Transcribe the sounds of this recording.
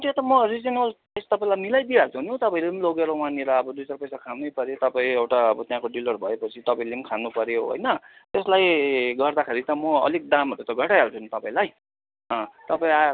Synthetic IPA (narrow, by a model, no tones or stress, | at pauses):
ut̪jẽt̪ʌmʌrid͡zʌnʌl | est̪ʌpaĩlajmilajd̪ieɦʌɾut͡sʰunũt̪ʌpãĩlimloɡeɾowaneɾʌːbʌd̪ujt͡sarpʌjsakʰanʌjpʌɾjot̪ʌpãĩewʈaʌbʌt̪jãkoɖilʌɾubʱʌepʌt͡sʰit̪ʌpãilimkʰanupʌɾjoɦo̰jnʌt̪eslajɡʌrd̪akʰeɾit̪ʌmʌʌ̰lik̚d̪amɦʌɾut̪ʌɡʱʌʈajɦʌɾut͡sʰʌnt̪ʌpãĩlaj | ʌ̃t̪ʌpaĩa